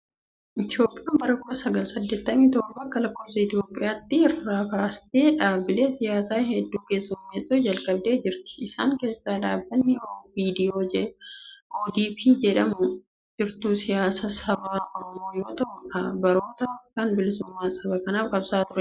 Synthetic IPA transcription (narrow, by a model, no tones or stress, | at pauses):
ʔɪt̪ɪjo̞ːpʼːɪjaːnbɐɾɐkʊʔɐsɐɡɐlsɐd̪ːe̞ːt̪ːɐmiːt̪oːbɐkːɐlɐkːo̞ːsɐɪt̪ɪo̞ːpʼːɪ̰jaːt̪ːɪɛraːkaːst̪eːᶑaːbɪleːsɪjaːsaːɦɛd̪ːuːke̞ːsːʊmːeːsʼuːd͡ʒɐlkʼɐbd̪eːd͡ʒɪɾt̪ɪ̥ɪsaːŋke̞ːsːaːᶑ̪aːbːɐnːɪviːd̪ɪjo̞ːd͡ʒɛʔoːd̪iːpiːd͡ʒɛᶑɐmʊ | d͡ʒɪɾt̪uːsɪjaːsɐsɐbaːʔɔɾɔmo̞ːjo̞ːt̪ɐʔʊɐbɐɾo̞ːt̪ɐfkɐnbɪlɪsʊmːaːsʼɐbɐkɐnaːfkʼɐbsaːt̪ʊɾɛ